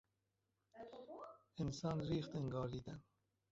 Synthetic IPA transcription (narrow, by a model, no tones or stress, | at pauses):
ensɑːnɾiːxt̪eŋɡɒːɾd̪iːd̪æn